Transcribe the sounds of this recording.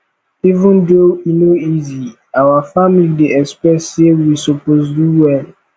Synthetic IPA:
ivũndoinoizi | awafamilideɛkspɛtsewisɔposduwɛl

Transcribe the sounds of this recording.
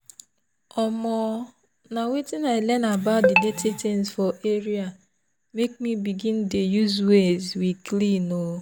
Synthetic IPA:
ɔmɔ | nawetɪnaɪlɛnabadeletʰetensfɔʔeɾia | mek̚mibiɡĩndejuzwezwiklino

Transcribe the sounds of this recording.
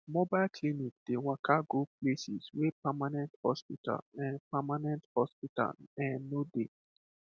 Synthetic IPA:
mobaɪlkʰlinik̚d̥ewakʰaɡoplesiswepamanɛ̃nthɔspitʰa̰lɛ̃npamanɛ̃nthɔspita̰lɛ̃nnode

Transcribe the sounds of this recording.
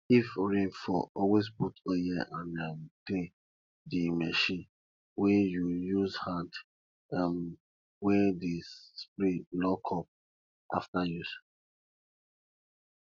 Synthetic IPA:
ifɹẽnfɔ̰ʔɔwes̬putojɛʔãnɛmtẽ | dimɛʃĩn | wɛjujuzhãd | ɛm | wɛdespɾitlɔkʰɔp̚ | a̰ftajus

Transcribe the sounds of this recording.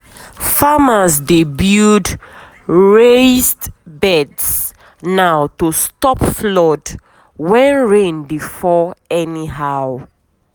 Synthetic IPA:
famasdebud | ɹesdbɛds | nawtustɔpflɔd | wɛ̃nɹẽnbifɔɛniɦaw

